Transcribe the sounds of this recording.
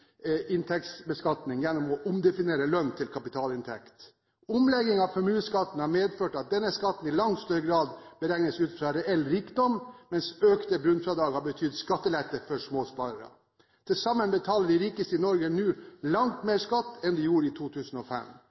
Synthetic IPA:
ʔɪnt̪ʰɛksbəskɑt̪nɪŋjɛnːɔmɔʔʊmd̪ɛfɪneːɾəlœnt̪ʰɪlkʰɑpɪt̪ʰɑːlɪnt̪ʰɛkt̪ | ʊmlɛɡɪŋɑʋfɔmʉːnskɑt̪ːn̩hɑɾmeːd̪føːʈɑt̪̚d̪ɛnːəskɑt̪ːn̩ɪlɑŋtst̪œɾəɡɾɑːd̪bəɾɛŋnəsʉːt̪fɾɑɾɛɛlːɾiːkd̪ɔmmɛnsøːkt̪əbɾʉnfɾɑd̪ɑːɡhɑɾbət̪ʰʏd̪skɑt̪ːəlɛt̪ːəfɔʂmoːspɑːɾəɾə̰ | t̪ʰɪlsɑmːənbət̪ʰɑːləɖɪɾiːkəst̪əɪnɔɾɡənʉːlɑŋt̪meːɾʂkɑt̪ːɛnd̪ɪjuːɾəɪt̪ʰuːt̪ʰʉːsn̩ɔfɛ̰m

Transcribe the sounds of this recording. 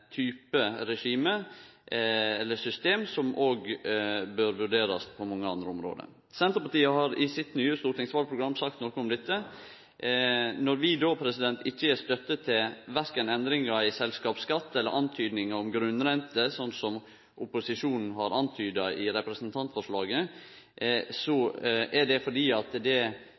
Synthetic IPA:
t̪ʰyːpəɾɛʂiːmə | ɛlːəsʏst̪eːmsɔmʔoːɡbøɾʋʉɖeːɾɑspʰɔmɑŋːəɑnd̪ɾəɔmɾo̰ːd̪ə̰ | sɛnt̪əɾpɑʈ̪iːəhɑɾɪsɪt̪nyːəst̪uːɾʈ̪ɪŋsʋɑlpʰɾʊɡɾɑmːsɑkt̪nɔɾkəɔmd̪ɛt̪ːə | nɔɾʋɪd̪oːpʰɾɛsɪd̪ɛnt̪ʰɪçːəæɾst̪œt̪ːət̪ʰːɪlʋæɾkənɛnd̪ɾɪŋɑɪsɛlskɑːpskɑt̪ːɛlːəɾʔɑnt̪ʰyːd̪nɪŋəɔmɡɾʉnːɾɛnt̪əsɔnt̪sɔm | ʔʊpʊsɪʂuːnn̩ɦɑɾɑnt̪ʰyːd̪ɑʔɪɾɛpɾəsənt̪ʰɑnt̪fɔʂɭɑːɡə | sɔʔæɖɛfɔɖiːɑt̪d̪ɛ

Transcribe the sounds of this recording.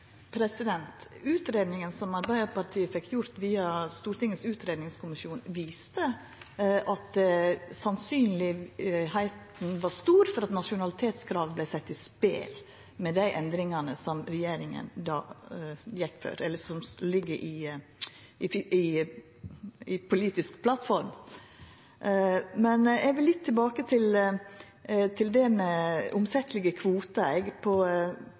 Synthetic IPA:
pʰɾɛsɪd̪ɛnt̪ʉːt̪ɾeːd̪nɪŋənsɔmɑɾbæɪəpɑɾt̪ʰiːəfɛkʰːjʊɾt̪ʋiːɑst̪uːɾt̪ɪŋːəsʉːt̪ɾeːd̪nɪŋskʰʊmɪʃjuːnʋiːst̪ə | ʔɑt̪̚d̪sɑnsyːnlɪhæɪt̪n̩ʋɑst̪uːɾfɔɾɑt̪nɑʂʊnɑlɪt̪ʰeːt̪skʰɾɑːʋblæɪsɛt̪ːɪspḛːl | mɛd̪æɪʔɛnd̪ɾɪŋɑnəsɔmɾɛjeːɾɪŋə̰nd̪ɑ̰ː | jɛkːfø̰ːɾɛlːəsɔmlɪɡːəɾʔɪ | ʔɪɪ | ɪpʰʊliːt̪ɪskpʰlɑt̪fɔɾm | mɛnɛʋɪlːɪt̪ʰːɪlbɑːkət̪ʰɪl | t̪ʰɪld̪ɛmɛʊmsɛt̪ːlɪɡəkʰʋuːt̪əɛɡpʰɔ

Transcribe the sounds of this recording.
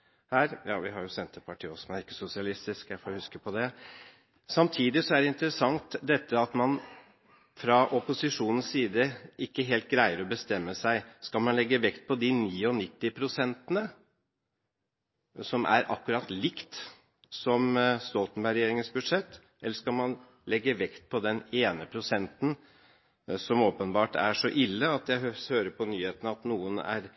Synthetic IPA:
hæːɾjɑ̰ːʋɪɦɑɾjʊsɛnt̪əpʰɑʈʰiːɔsmnæɾɪkːə̥sʊsɪɑlɪst̪ɪskjæɪfoːhʉskəpʰɔd̪ɛ | sɑmt̪ʰiːd̪ɪsɔæɖɛɪnt̪əɾəsɑŋt̪d̪ɛt̪ːəɑt̪mɑn | fɾɑʔɔpʊsɪʂuːnən̩ssiːd̪əʔɪkːəɦeːlt̪̚ɡɾæɪəɾɔbəst̪ɛmːəsæɪskɑlmɑnlɛɡːəʋɛkt̪̚pʰɔd̪ɪniːɔnɪt̪ːɪpʰɾʊsɛnt̪ənə | sɔmʔæ̰ɾʔɑ̰kːʉɾɑt̪lɪkt̪ | sɔmst̪ɔlt̪n̩bæɪɾɛjeːɾɪŋənsbʉd̪ʂɛt̪ː | ɛlːəʂkɑlmɑn | lɛɡːəʋɛkt̪̚pʰɔd̪ɛneːnəpʰɾʊsɛnt̪n̩ | sɔmoːpənbɑːʈæ̰ʂɔʔɪlːəɑt̪jæɪhøːɾəpʰɔnyːheːt̪ənəɑt̪nuːənæ̰ɾ

